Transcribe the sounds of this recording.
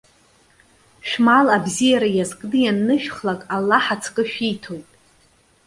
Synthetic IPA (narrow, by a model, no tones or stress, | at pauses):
ʃᶣmalabzijaɾajazkʼnɨjanːɨʃᶣχlakʼalːaħat͡sʰkʼɨʃᶣijtʰo̞jtʼ